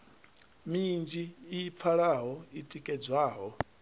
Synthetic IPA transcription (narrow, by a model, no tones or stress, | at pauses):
mind͡ʒiːp̪fʰaɺaɦɔitʼikʼɛd͡zwaːɦɔ